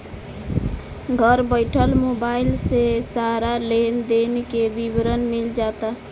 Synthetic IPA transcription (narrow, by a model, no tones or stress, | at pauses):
ɡʱəɾbəɪʈʰəlmobailsesaɾalend̪enkebibɾənmild͡ʒat̪a